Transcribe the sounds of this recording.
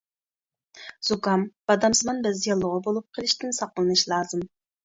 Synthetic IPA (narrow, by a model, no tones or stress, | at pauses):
z̥ukɑmb̥ɑd̪ɑmsɨmɑnbɪzjɑlˠːʊʁɑbolˠup̚qʰəlˠɪʃt̪ɪnsɑqəlˠɨnɨʃlˠɑːzɨm